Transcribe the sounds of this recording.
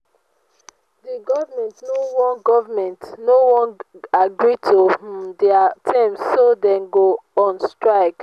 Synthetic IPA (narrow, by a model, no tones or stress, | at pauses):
diɡɔvamɛ̃ntnowɔ̃nɡɔvamɛ̃ntnowɔ̃naɡɹitʰodɛatʰãmssodɛ̃nɡoɔ̃nstɹaɪk